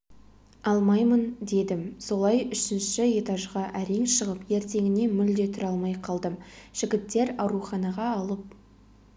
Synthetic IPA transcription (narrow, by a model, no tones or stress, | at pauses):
ɑlˠmɑjmənd̪e̞d̪ɪmso̞lˠɑjʏʃɪnʃɪet̪ɑʒʁɑʔæɾeŋʃəʁəpe̞ɾt̪e̞ŋʲɪne̞mʏld̪e̞t̪ʰɪɾɑlˠmɑjqʰɑlˠd̪əmʒ̥ɪɡʲɪt̪ːe̞ɾɑwɾuχɑnɑʁɑɑlˠəp̚